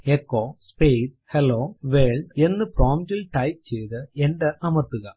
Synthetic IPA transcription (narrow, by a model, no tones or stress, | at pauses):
ekːoːspejs | heloːʋeːldenːɨproːmdilʈɐjp̚t͡ɕejðɨenɖɐʔɐmɐrt̪ːuɣɐ